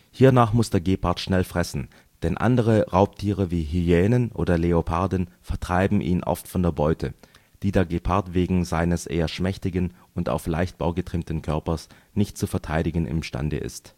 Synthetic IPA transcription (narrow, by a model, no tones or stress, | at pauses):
hiːɐnaːχmʊsd̥eːɐɡeːpʰaɐtʃnɛlfʁ̥ɛsn̩ | d̥ɛnʔa̰ndəʁ̞əʁaʊptʰiːʁəviːɦyeːnənʔo̰ːdɐleopʰaɐdn̩fɛɐtʁ̥aɪbm̩ʔḭːnʔɔ̰ftfɔndeːɐbɔʏtʰə | d̥iːdeːɐɡeːpʰaɐtv̥eːɡŋ̩zaɪnəsʔḛːɐʃmɛçtɪɡən | ʊnta̰ʊfla̰ɪçt̚b̥aʊɡətʁ̥ɪmtn̩kʰœɐpɐs | nɪçtt͡sufɛɐtʰaɪɾɪɡən̩ʔɪ̰mʃta̰ndə̰ʔɪ̰st